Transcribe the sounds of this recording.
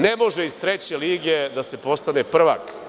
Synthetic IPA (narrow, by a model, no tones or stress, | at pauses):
nemo̞ʒeizt̪ɾet͡ɕe̞liːɡed̪ase̞po̞st̪ane̞pr̩ʋa̰k